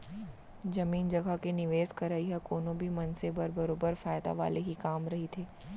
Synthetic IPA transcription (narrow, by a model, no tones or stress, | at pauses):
d͡ʒɐmiːnd͡ʒɐɡakenɪʋeːskɐɾaiɦɛkoːnõbʱimɐnsebəɾbɐɾoːbəɾfaːjd̪a̰ʋa̰ːleɦikaːmɾɐɦit̪ʰeː